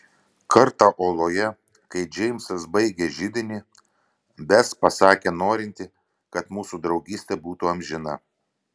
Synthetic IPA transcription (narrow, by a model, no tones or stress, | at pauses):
kʰɐɾt̪ɑʔoːlˠoːjɛ | kɐɪd͡ʒʲɛɪmʲsɐsbɐɪɡʲeʒʲɪd̪ʲɪnʲi | bʲɛspɐsɑːkʲeːnoːɾʲɪnʲt̪ʲɪ | kɐt̪muːsud̪ɾɒʊɡʲiːsʲt̪ʲɛbuːt̪ʊɐmʲʒʲɪnɐ